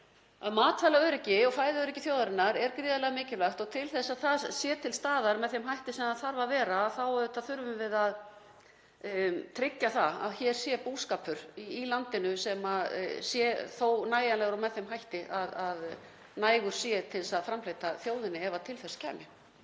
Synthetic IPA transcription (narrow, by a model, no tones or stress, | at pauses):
aðmaːt̪falaœɾɛcɪɔɣfaːjðœɾɪcɪθjoːwðaɾɪnːaɾɛɾkɾiːðalɛɣamɪːcɪlaxt̪ɔɣt̪ʰɪlθɛsːaðθaðsjɛːt̪ʰɪlst̪aːðaɾmɛðθejmhajht̪ɪsɛmaðθaɾvavɛːɾaːθawɛðʏt̪ʰaðθʏɾvʏmvɪðað | t̪ʰɾɪcːaθaa̰ðçɛɾ̥sjɛpuːskaːpʰʏɾ̥iilant̪ɪnʏsɛma̰sjɛθownaːjanlɛɣɾɔmɛðθejmɦajht̪ɪʔaðað | naːjɣʏɾ̥sjɛt̪ʰɪlsaðfɾamflejt̪aθjoːwðɪnːɪɛvat̪ʰɪlθɛscʰɛ̰ːmjɪ